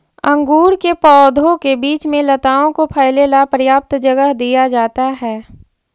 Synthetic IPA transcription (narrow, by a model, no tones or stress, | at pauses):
ɐ̃ŋɡuːɾkepɔːd̪ʱõkebiːt͡ʃmẽlɐt̪aːõkopʰaːɪlelapɾəjaːp̚t̪d͡ʒɐɡəɦd̪ijad͡ʒaːt̪aɦɛː